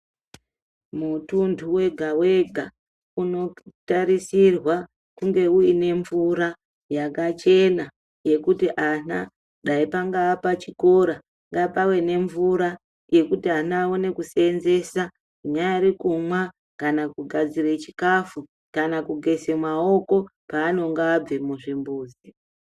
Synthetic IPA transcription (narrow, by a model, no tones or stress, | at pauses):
mutundʰuwe̞ɡʱawe̞ɡʱa | uno̞taɾisirwa | kuŋɡe̞uine̞ɱvuɾa | jakat͡ʃe̞na | je̞kutiʔana̰ | ɗaipaŋɡaːpat͡ʃiko̞ɾa | ŋɡapawe̞ne̞ɱvuɾa | je̞kutianaːone̞kuse̞nze̞sa | uɲajaiɾikumwa | kanakuɡʱad͡zire̞t͡ʃi̥kafu | kanakuɡʱe̞semwao̞ko̞paːno̞ŋɡaːb͡vemuʐimbuːzi